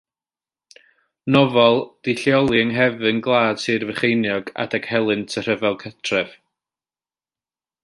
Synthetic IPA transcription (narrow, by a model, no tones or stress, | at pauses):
nɔvɔlˠd̥ɪɬjɔlˠiəŋɦɛvɨnɡlˠaːd̥sɨːrvəχejnjɔɡa̰d̥ɛɡ̥hɛlˠɨntʰər̥əvɛlˠkʰətʰrɛv̥